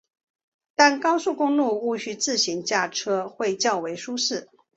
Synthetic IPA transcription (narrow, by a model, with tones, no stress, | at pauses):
t̪a˥˨nkɑ˥ʊsu˥˩kʊ˥ŋlu˥˩u˥˩ɕy˥t͡sɹ̩˥˩ɕi˧˥ŋt͡ɕja˥˩ʈ͡ʂʰɤ˥xwe˥˧ɪt͡ɕjɑ˥˩ʊwe˧˥ɪʂu˥ʂɻ̩˥˩